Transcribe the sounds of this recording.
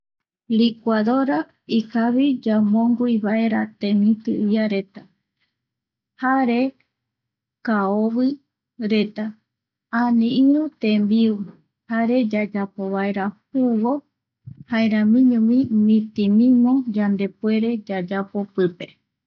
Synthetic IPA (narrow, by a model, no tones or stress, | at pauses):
likʷuaðoɾa | ikaβid͡ʒamõŋɡuiβaʔe̞ɾat̪ẽmĩt̪ɨiaɾe̞t̪a | haɾe | kaoβɨ | ɾe̞t̪a | ãnĩĩɾũt̪ẽmbiu | haɾe̞d͡ʒad͡ʒapo̞βae̞ɾahuβo̞ | haeɾãmĩɲũmĩmĩt̪ĩmĩmõd͡ʒand̪e̞pue̞ɾe̞d͡ʒad͡ʒapo̞pɨpe